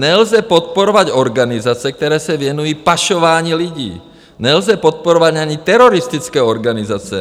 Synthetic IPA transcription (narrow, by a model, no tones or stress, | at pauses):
ɲɛlzɛpɔt̪̚pɔɾɔʋaɟɔɾɡanizat͡siɛk̚t̪ɛɾɛːsaʋɪɛnujiːpaʃɔʋaːɲiːliɟḭː | ɲɛlzɛpɔt̪̚pɔɾɔʋaɟaɲit̪ɛɾɔɾist̪it͡skɛːɔɾɡanizaːt͡sɪɛ̰